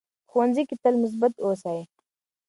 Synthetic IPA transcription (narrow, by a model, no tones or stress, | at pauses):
xʊwanzikit̪əlmʊs̬bat̪osaji